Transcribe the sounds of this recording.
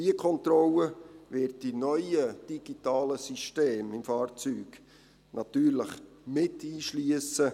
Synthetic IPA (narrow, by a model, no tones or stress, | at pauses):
diəkʰɔntrɔlːəvɪtdinœʏəd̥iɡ̥itɑːləsiʃteːmɪmfɑːrt͡syːɡ | nʔɑtyːɾləχ | mɪtiːʃliəsə